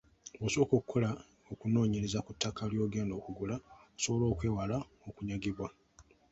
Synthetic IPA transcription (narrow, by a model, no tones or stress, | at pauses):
boso̞ːkokʰːola | okuno̞ːɲeɾezakutʰːakaljo̞ːɡe̞ːndo̞ːkuɡulaoso̞βo̞lo̞ːkwe̞ːwala | okuɲaɡiβwa